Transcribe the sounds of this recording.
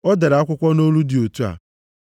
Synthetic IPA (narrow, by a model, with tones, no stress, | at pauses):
ɔ˦da˨ɾa˨˦a˦kʷʊ˦kʷɔ˦no˦lu˦dɪ˨o˨tu˦a̰˨